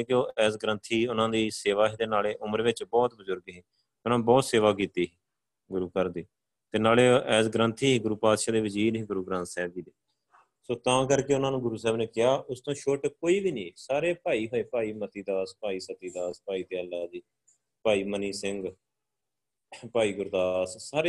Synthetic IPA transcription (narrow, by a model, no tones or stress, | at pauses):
eːkɪoːɛːsɡɾə̃nt̪ʰiːʊnãːd̪iːseːʋaːɦiːd̪eːnaːleːʔʊməɾʋɪt͡ʃbɔːt̪̚bəzʊɾɡɦiː | ʊnãːbɔːt̪seːʋaːk̬iːt̪iːɦiː | ɡʊɾuːkəɾd̪iː | t̪eːnaːleːʔɛːsɡɾə̃nt̪ʰiːɦiːɡʊɾuːpaːd̪ʃaːd̪eːʋɪd͡ʒiːɾɦiːɡʊɾuːɡɾə̃nt̪sɛːb̚kiːd̪eː | soːt̪ãːkəɾkeːʊnãːnũːɡʊɾuːsɛːbneːkɪjaːʔʊst̪õːʃoʈkoːiːbiːnĩːsaːɾeːpaːiːɦoːeːpaːiːmət̪iːd̪aːspaːiːsət̪iːd̪aːspaːiːt̪eːəlːaːd̪iː | paːiːməniːsɪŋɡ | paːiːɡʊɾd̪aːssaːɾeː